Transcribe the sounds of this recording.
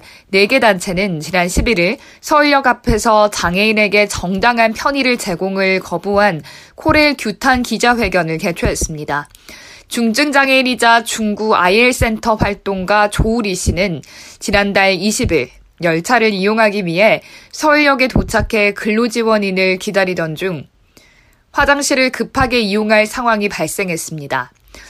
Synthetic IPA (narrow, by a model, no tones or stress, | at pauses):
ne̞ɡe̞dant͡ɕʰe̞nɯnt͡ɕinanɕʰibiɾiɭ | sʰʌɯɭjʌɡapʰe̞sʰʌt͡ɕaŋe̞ine̞ɡe̞t͡ɕʌŋdaŋɦanpʰjʌɲiɾɯɭt͡ɕe̞ɡoŋɯɭkʌbuɦankʰoɾe̞ɭkjutʰankid͡ʑaɸwe̞ɡjʌnɯɭke̞t͡ɕʰoɦe̞s͈ɯmɲida | t͡ɕuŋd͡ʑɯŋd͡ʑaŋe̞iɲid͡ʑat͡ɕuŋɡua̰ieɭs͈e̞ntʰʌɸwaɭt͈oŋɡwat͡ɕouɾiɕʰinɯnt͡ɕinandaɭiɕʰibiɭ | jʌɭt͡ɕʰaɾɯɾijoŋɦaɡimɥiɦe̞sʰʌuɭjʌɡe̞tot͡ɕʰakʰe̞kɯɭːod͡ʑiwʌɲinɯɭkidaɾidʌnd͡ʑuŋ | ɸwad͡ʑaŋɕʰiɾɯɭkɯpʰaɡe̞ijoŋɦaɭsʰaŋɦwaŋipaɭs͈e̞ŋɦe̞s͈ɯmɲida